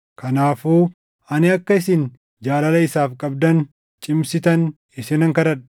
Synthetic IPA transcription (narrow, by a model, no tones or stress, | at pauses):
kʰɐnaːfuː | ɐnɪɐkːɐɪsɪn | d͡ʒaːlɐlɐɪsaːfkʼɐb̚d̪ɐn | t͡ʃʼɪmsɪt̪ɐn | ɪsɪnɐŋkɐɾɐᶑ